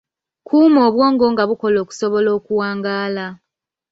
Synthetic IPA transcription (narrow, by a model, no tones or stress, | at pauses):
kʰuːmo̞ːβwo̞ːŋɡo̞ːŋɡaβuko̞lo̞ːku̥so̞βo̞lo̞ːkuwaːŋɡaːla